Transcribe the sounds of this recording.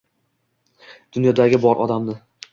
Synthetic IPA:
d̪̥ʊnjɒd̪aɡʲɪbɒɾʔɒ̰d̪amnɪ

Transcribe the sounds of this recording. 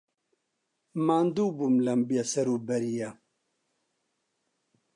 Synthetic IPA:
maːnd̪uːbumlɐmbjasɐɾuːbɐɾija

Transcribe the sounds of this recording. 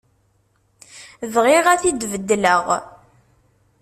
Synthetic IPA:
ðʁɪʁæθid̪vəd̪ːləʁ

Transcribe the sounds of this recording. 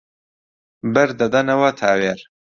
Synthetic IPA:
bɨɾd̪ɐd̪ɐnɐwɐt̪ʰaːweːɾ

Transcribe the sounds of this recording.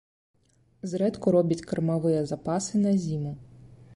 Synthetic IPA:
zɾɛd̪kɔɾɔbʲɐtʲkɐrmɐʋɪjɐzɐpɑsɪnɐzʲimʊ

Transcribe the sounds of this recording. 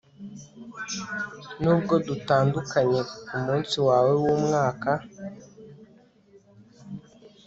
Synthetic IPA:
nuːb̚ɡodutaːndukaɲekumuːnsiwaːwewumŋaːka

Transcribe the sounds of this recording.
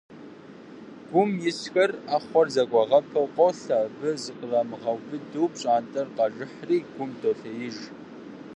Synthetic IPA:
ɡʷʊmjɪsxɐraːχʷɔrzɐkʷʼɑʁɐpʰɐwqʷʼɔwɬabɨzɨqərɐmɨʁɐwbɨdɨwpɕʼaːntʼɐrqɑʒɪħriːɡʷʊmdʰoːɬɐjɪʒ

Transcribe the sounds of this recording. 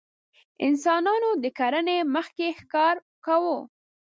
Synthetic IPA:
ɪ̰nsɑnɑnod̪əkaɾəneməxkexkɑɾ | kawo

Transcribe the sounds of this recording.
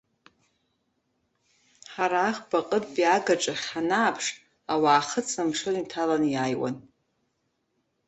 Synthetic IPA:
ħaɾaːχbaqʼədbiaɡaʈ͡ʂʼaχʲanaːpʰʂ | awaːχət͡sʰnamʂɨnimtʰalanjaːjwa̰n

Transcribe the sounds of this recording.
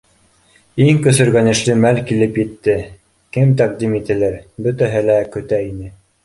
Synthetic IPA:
iŋkɵ̆sɵ̆ɾɡænɘ̆ʃlɘmælkilɘpjɘ̆t̪ːɘ | kɘmt̪æq̚d̪imit̪ɘ̆læɾbɵ̆t̪æɦɘlækɵ̆t̪æinɘ

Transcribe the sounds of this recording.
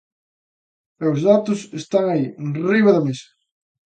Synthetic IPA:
ɛʊzðat̪ʊsest̪aŋainriβɐðɐmesɐ̥

